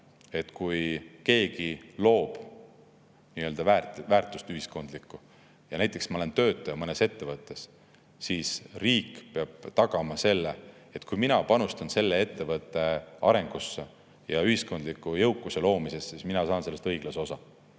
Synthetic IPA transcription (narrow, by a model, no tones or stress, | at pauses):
e̞t̪kujke̞ːɡilo̞ːb̥ | niøld̪ɑvæːrt̪væːrt̪ːˑust̪yhisko̞nd̪likːˑu | jɑnæjt̪ːˑe̞ksmɑole̞nt̪ø̞ːt̪ːˑɑjɑmɤne̞se̞t̪ːe̞vɤt̪ˑːe̞s | siːsriːkpeɑb̥̚t̪ɑɡ̥ɑmɑse̞lːe | et̪kujminɑpɑnust̪ɑnse̞lːee̞t̪ːe̞vɤt̪ːˑe̞ɑ̰ɾe̞ŋɡ̥usːe | jɑyhisko̞nd̪likːˑujɤwkːˑuse̞lo̞ːmise̞st̪sisminɑsɑːnse̞lːst̪ɤjɡ̥lɑsosɑ